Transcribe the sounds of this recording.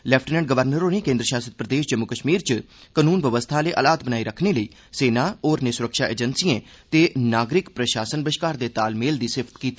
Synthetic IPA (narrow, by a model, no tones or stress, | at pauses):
lɛːpʰʈnɛ̃ːɳɖ̚ɡəʋəɾnəɾõːneːkẽːnd̪ɾəʃaːsəd̪̚pɾəd̪eːʃd͡ʒəmːʊkəʃmiːɾt͡ʃ | kənuːnʋəʋəst̪ʰaːleːʔəlaːt̪̚bənaːiːɾəkʰneːləiː | seːnaːoːɾnɪsʊɾəkʃaːʔḛːd͡ʒənsiẽː | t̪eːnaːɡɾɪkpɾəʃaːsənbəʃkaːɾd̪eːt̪aːlmeːld̪iːsɪpʰt̪kiːt̪i